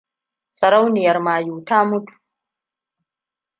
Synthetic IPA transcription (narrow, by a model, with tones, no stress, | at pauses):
sɐ˨ɾa˦wnɪ˨jɐ˨ɾmaː˨juː˨taː˦mu˦tu̥